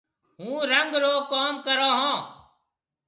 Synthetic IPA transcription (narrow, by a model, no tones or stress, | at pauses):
ɦũːɾəŋɡɾoːkaːmkəɾãːɦãː